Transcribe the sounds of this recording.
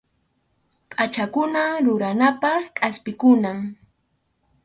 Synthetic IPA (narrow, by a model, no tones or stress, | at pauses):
pʼat͡ʃakʊnaɾʊɾanapɑχkʼaspɪkʊnaŋ